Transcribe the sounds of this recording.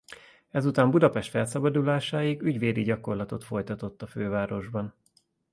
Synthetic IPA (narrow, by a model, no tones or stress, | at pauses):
ɛzut̪aːmbud̪ɒpɛʃt̪fɛlsɒbɒd̪ulaːʃaːjiɡyɟveːd̪iɟɒko̞rlɒt̪o̞t̪fo̞jt̪ɒt̪o̞t̪ːɒføːvaːɾo̞ʒbɒn